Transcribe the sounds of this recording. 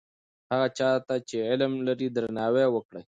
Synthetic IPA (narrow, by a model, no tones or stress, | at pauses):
haɣat͡ʃɑt̪at͡ʃeɪlmlaɾid̪ɾanɑwewəkɽaj